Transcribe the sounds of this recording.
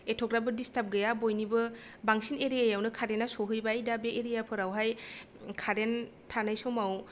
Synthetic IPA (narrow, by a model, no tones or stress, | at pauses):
etʰɔkɾabɯdistap̚ɡɯjabojnibɯbaŋsineɾijajawnɯkʰaɾenasɔɦɯjbajdabeʔːɾijapʰɯɾawɦaj | kʰaɾen | tʰanajsɔmaw